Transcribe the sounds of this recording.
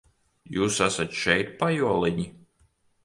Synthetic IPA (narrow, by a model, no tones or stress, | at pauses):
juːsasat̪ʃɛjt̪̚pajuɔlˠiɲi